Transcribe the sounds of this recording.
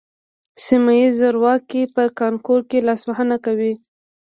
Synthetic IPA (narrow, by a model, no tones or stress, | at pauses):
simajizaɾwɑkipəkɑŋkoɾkelɑsmaɦənakawi